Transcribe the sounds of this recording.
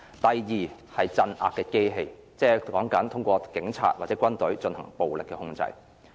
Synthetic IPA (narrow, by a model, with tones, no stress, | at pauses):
t̪ɐ˨jjiː˨˩ | hɐ˨˩jt͡sɐ˧nʔa̰ː˧kːɛː˧ke˥jɦe˧j | t͡sɛː˥kɔː˨˥ŋkɐ˨˥nt̪ʰʊ˥ŋkʷɔː˧kɪ˨˥ŋt͡sʰa̰ː˧t̚waː˨˩t͡sɛː˨˥kʷɐ˥nt̪ɵ˨˥ɥt͡ʃɵ˧nhɐ̰˨˩ŋpo˨wlɪ˨kːɛː˧hʊ˧˥ŋt͡sɐ̰˧j